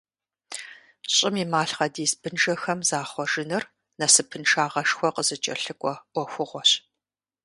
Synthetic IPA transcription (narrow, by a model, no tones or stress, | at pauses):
ɕʼɪmiːmaːɬχɐdiːsbɨnʒɐxɐmzaːχʷɔʒɪnɨr | nɐsɨpʰɨnʂaːʁɐʂxʷɔqəzɨt͡ʃʼɐ̰ɬɨkʷʼɔʔʷɔxʷʊʁʷɔɕ